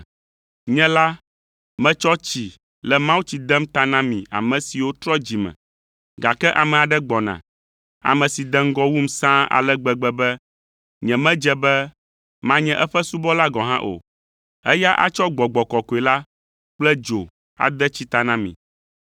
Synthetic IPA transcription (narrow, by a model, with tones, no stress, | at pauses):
ɲɛ̃˦la˦ | mɛ̃˦t͡ʃɔ˦t͡ɕi˨ | lɛ˨mã˦wu˦t͡ɕi˨d̪ɛ˦m˦t̪a˦nã˦mĩ˨a̰˨mɛ̃˨si˨wo˦t̪ɾɔ˦d͡ʑi˨mɛ̰̃˨ | ɡa˨kɛ˦ʔa˨mɛ˨a˨ɖɛ˦ɡ͡bɔ˨nã̰˨ | a̰˨mɛ̃˨si˨d̪ɛ˦ŋ̩˦ɡɔ˦wu˦m̩˦sã˦a̰˨lɛ˦ɡ͡bɛ˨ɡ͡bɛ˦bɛ˦ | ɲɛ̃˨mɛ̃˦d͡ʒɛ˦bɛ˦ | mã˦ɲɛ̃˦ʔɛ˦ɸɛ˦su˦bɔ˦la˦ɡɔ˨ɦã̰˦ʔo̰˨ | ɛ˦ja˦ʔa̰˦t͡ʃɔ˦ɡ͡bɔ˨ɡ͡bɔ˨kɔ˨ko˨i˨la˦ | k͡plɛ˦d͡ʒo˨ | a̰˨d̪ɛ˦t͡ɕi˦t̪a˨nã˦mḭ̃˨